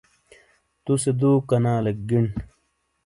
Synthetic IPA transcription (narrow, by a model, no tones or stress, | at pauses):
t̪used̪uːkɐnaːlek̚ɡiɳ